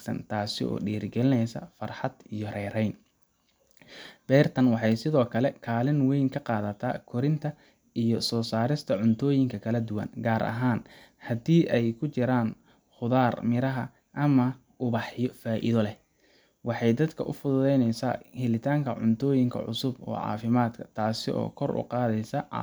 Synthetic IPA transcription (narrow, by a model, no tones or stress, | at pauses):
sɐ̰nt̪ʰaːsɪ̰ʔɔ̰ːɖiːɾɡɛlɪnɛjsɐ̰fɐrħɑd̪ijɔrɛːɾɛjn | b̥ɛːrt̪ʰɐnwɑħɑjsɪðɔːkʰɐlɛkʰaːlɪnwɛjŋkʰɐqɑːðɐt̪ʰa̰ːkʰɔɾɪnt̪ʰɐ | ʔijɔsɔːsaːɾɪst̪ʰɐʕʊnt̪ʰɔːjɪŋkʰɐkʰɐlɐd̪ʊwɐ̰nɡaːɾʔɐ̰ɦaːn | hɐd̪iːʔɛjkʰʊt͡ʃɪɾaːn | χʊðaːrmɪɾɐɦɐ | ʔɐmɐ | ʔʊβɑħjɔfaːʔɪ̰ðɔlɛ | wɑħɑjd̪ɐd̪kʰɐʔʊ̰fʊðʊðɛjnɛjsa̰ːhɪlɪt̪ʰaːŋkʰɐʕʊ̰nt̪ʰɔːjɪŋkʰɐ̰ʕʊ̰sʊbɔ̰ːʕɑ̰ːfɪmaːd̪kʰɐ̥t̪ʰaːsɪʔɔ̰ːkʰɔrʔʊ̰qɑːðɛjsɐ